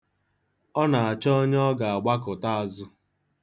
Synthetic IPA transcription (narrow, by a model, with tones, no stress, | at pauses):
ɔ˦na˨a˨t͡ʃɔ˦ɲ˦ɔ˦ɡa˨a˨ɡ͡ba˦kʊ˨ta˦a˨zʊ˦